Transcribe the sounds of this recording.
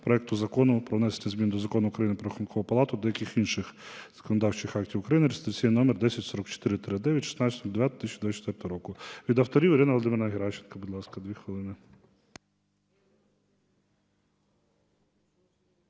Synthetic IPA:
pɾɔɛk̚t̪ʊzɐkɔnʊpɾɔʋnɛsenʲɐzmʲind̪ɔzɐkɔnʊʊːkɾɐjinɪpɾɔxʊnkʰɔʋʊpɐlˠɑt̪ʊd̪ɛjɐkɪxinʃɪxz̥ɐ̥kɔnɔd̪ɑwt͡ʃɪxɑk̚tʲiwʊkɾɐjinɪɾist̪t͡sʲininɔmɛrd̪ɛsʲɐtʲsɔɾɔkt͡ʃɔ̥t̪ɪɾɪt̪ɾɪd̪ɛʋʲjɐtʲʃɪ̥snɑsɔɔd̪ʋjat̪t̪iʃt͡ʃd̪ʲɛt͡ʃːt̪ʋɛrt̪ɔɦɔɾɔkʊʋʲid̪ɐwt̪ɔɾʲiwiɾɪnɐʋlˠɔd̪mɪɾnɐɦʲeɾɑt͡ʃɪnkɐbud̪lˠɑskɐd̪ʋʲixʋɪlˠɪnɪ

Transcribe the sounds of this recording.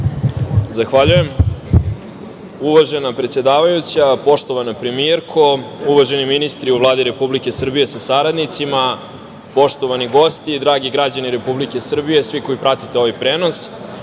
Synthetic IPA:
zaxʋaʎuje̞m | uʋaʒe̞napɾe̞t̪sje̞d̪aːʋajut͡ɕapo̞ʂt̪o̞ʋanapɾe̞mieɾkʰo̞uʋaʒe̞niminist̪ɾiuvlˠaːd̪iɾe̞publike̞sr̩bije̞sasaɾad̪nit̪sima | po̞ʂt̪o̞ʋaniɡo̞st̪id̪ɾaːɡiɡɾad͡ʑaniɾe̞publike̞sr̩bije̞sʋiko̞ipɾat̪it̪eo̞ʋajpɾeːno̞s

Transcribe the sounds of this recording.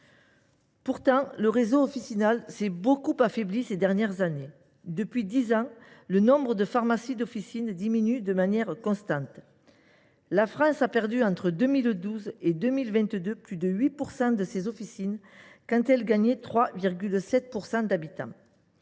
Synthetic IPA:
puʁt̪ɑ̃ləʁezoɔfisinalsɛbokupafeblised̪ɛʁnjɛʁzane | d̪əpɥid̪izɑ̃lənɔ̃bʁəd̪əfaʁmasid̪ɔfisind̪iminyd̪əmanjɛʁkɔ̃st̪ɑ̃t̪ | lafχɑ̃sapɛʁd̪yɑ̃t̪χəd̪ømild̪uzed̪ømilvɛ̃nt̪d̪øplyd̪əɥipuʁsɑ̃d̪əsezɔfisinkɑ̃t̪ɛlɡaɲet̪χwaviʁɡʲylsɛt̪̚puʁsɑ̃d̪abit̪ɑ̰̃

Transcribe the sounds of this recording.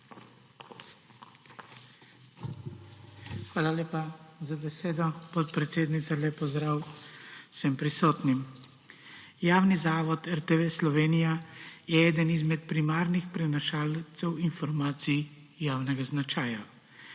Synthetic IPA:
xʋaːlaleːpazabɛseːd̪ɔpɔt̪̚pɾɛt̪seːd̪nit̪salɛpɔzd̪ɾaːw | sɛmpɾisɔːt̪nim | jaːwnizaːʋɔt̪ɛɾt̪eʋeslɔʋeːnijajɛɛːd̪ənizmɛt̪̚pɾimaːɾnixpɾɛnaʃaːlt̪sɛwinfɔɾmaːt̪sij | jaːwnɛɡaznat͡ʃaːja

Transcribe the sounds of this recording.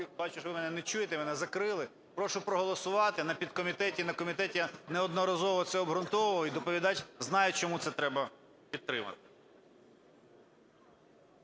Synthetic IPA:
bɑt͡ʃʊʃɔʋɪmɛnɛnɛt͡ʃujet̪ɛmɛnɛzɐkɾɪlˠɪ | pɾɔʃʊpɾɔɦɔlˠɔsʊʋɑt̪ɪnɐpʲid̪̚kɔmʲit̪ɛtʲinɐkɔmʲit̪ɛtʲjnɛɔd̪nɔɾɐzɔʋɔt̪sɛɔbɦɾʊnt̪ɔʋlˠɔid̪ɔpɔʋʲid̪ɑt͡ʃʲznɑjʊt͡ʃɔmut̪sɛt̪ɾɛbɐ | pʲid̪̚t̪ɾɪmɐ̰t̪ɪ̥

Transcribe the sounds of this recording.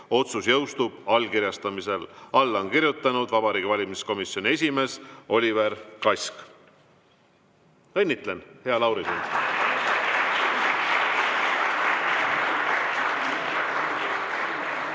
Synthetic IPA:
o̞t̪susjɤwst̪ub̥ɑlkiɾjɑst̪ɑmise̞lɑlːonkiɾjut̪ːˑɑnud̪̥vɑb̥ɑɾiːɡivɑlʲimisko̞misjo̞nʲie̞sʲime̞ːso̞lʲiveɾkɑjsk | enʲːit̪lenhe̞ɑlɑwɾisin

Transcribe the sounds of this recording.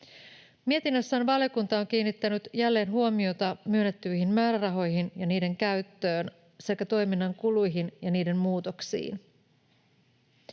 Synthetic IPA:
mie̞t̪inːøsːæːnʋɑljokunt̪ɑoŋk̟iːnːit̪ːænyt̪jælːe̞ːnɦuo̞mio̞t̪ɑmyønːe̞t̪ːyjɦimmæːɾærɑɦo̞jɦinjɑniːde̞ŋkæɥt̪ːø̞ːn | se̞kːæt̪o̞jminːɑŋkulujɦinjɑniːde̞mːmuːt̪o̞ksḭːn

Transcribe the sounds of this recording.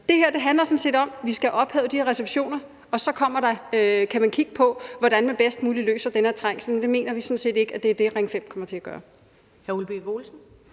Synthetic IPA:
d̥e̝heɐ̰d̥e̝ɦændlɐsɒ̽nse̝̰ːd̥ɒ̽mʋisɡ̥æʔɒ̽b̥hɛ̰ːʊd̥iheɐʁɛseb̥ɕo̝̰ːnɐ | ɒ̽sɒ̽kʰɒ̽m̰ɐɾ̥ɑ̈økʰæmænkʰiɡ̥əpʰɒ̽ʋɒɾænmænb̥esd̥muːlilø̰ːsɐd̥enæɐt͡sʰʁaŋ̰snmend̥e̝me̝̰ːnɐʋisɒ̽nse̝̰ːd̥e̝ɡ̥æd̥e̝æɐd̥e̝ʁeŋfem̰kʰɒ̽mɐt͡sʰe̝æɡ̥ɶːɐ | hæɐulb̥eʋo̝ːlsn̩

